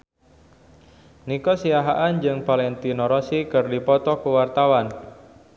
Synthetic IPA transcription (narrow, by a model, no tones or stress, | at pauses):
nikɔsiaɦaʔand͡ʒɨŋpalɛnt̪inɔɾɔsikɨrdipɔt̪ɔkuwart̪awan